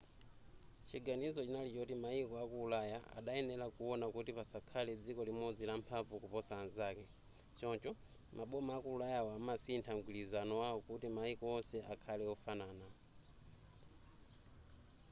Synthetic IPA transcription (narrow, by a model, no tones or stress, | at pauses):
t͡ʃʰiɡanizɔt͡ʃinalit͡ʃɔtimaikɔakuːlajaa̰ɗajɛnɛlakuɔnakutipasakʰalɛd͡zikɔlimɔd͡zilampʰavukupɔsanzaːkɛ | t͡ʃɔnt͡ʃɔ | mʔaɓɔmaakuulajawamasintʰaŋɡwilizanɔwawɔkutimaikɔwɔnsɛʔakʰalɛɔfanaːna